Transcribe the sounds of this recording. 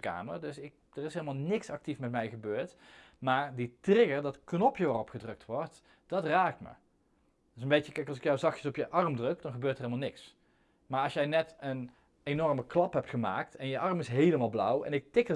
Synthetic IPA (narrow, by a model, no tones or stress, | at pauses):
ka̰ːmərdɵsɪk̚ | d̥ərɪseːlˠəmaːlˠnɪksɑk̚tifmɛtmɛjɣəbøːɹtmaːɹditrɪɡərdɑtknɔpjəʋaːrɔpχədrɵk̚tʋɔɹt | d̥ɑtraːk̚tmə̰ | dɪsənmbejt͡ʃəkɛjkɑlˠsɪkjawzɑxjəsɔpjəʔɑrmdrɵkdɑnɣəbøːrtərɦelmlˠnɪks | maːɹɑsjɛjnɛtən | ejnɔɹməklɑpɦɛp̚tχəma̰ːktʰɛnjəʔɑrmɪsɦejləmaːlˠblʌ̰wɛ̰nɪk̚tɪkə